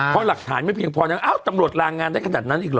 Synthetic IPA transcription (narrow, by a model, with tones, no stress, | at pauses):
pʰɔ˦˥la˨˩k̚t̪ʰaː˩˦nma˥˩jpʰi˧əŋpʰɔː˧ɲa˧˥ʔaː˥˩wt̪a˧mɾu˨˩ət̪̚ɾaː˧ŋːaː˧nda˥˩kʰa˧naː˨˩t̪̚na˦˥nʔiː˨˩klɤː˨